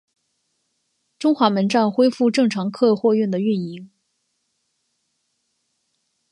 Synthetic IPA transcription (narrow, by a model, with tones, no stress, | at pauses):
ʈ͡ʂʊ˥ŋxwa˧˥mə˧˥nʈ͡ʂa˥˩nxwe˥ɪfu˥˧ʈ͡ʂɤ˥˩ŋʈ͡ʂʰɑ˧˥ŋkʰɤ˥˧xwɔ˥˧ɥy˥˩nd̪ə˩y˥˩ni˧˥ŋ